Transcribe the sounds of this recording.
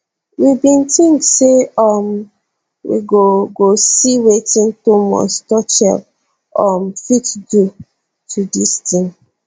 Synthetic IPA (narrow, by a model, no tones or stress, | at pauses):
wibĩntĩŋkseɔm | wḭɡoɡosiwetĩntumɔ̰stɔt͡ʃɛ̰l | ɔmfitɡu | tʰudistĩŋ